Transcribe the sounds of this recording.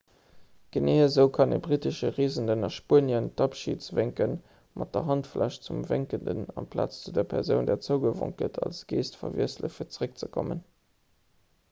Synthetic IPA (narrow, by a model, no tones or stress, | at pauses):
ɡ̥əneːəzəʊkʰɑnebʁitəʃəʁeːzəndənɑʃpuːənjəntɑpʃḭːtt͡sveŋkən | mʔɑt̚d̥əɦɑntflʔæʃt͡sumveŋkəndə̰nɑmpʰla̰ːt͡st͡sudeːɐpʰɛʁzəʊndɛːɐt͡səʊɡəvo̰ŋt̚ɡ̥ətʰɑlsɡ̥eːstfɐviəslə̰fiɐt͡səʁək̚t͡səkʰomən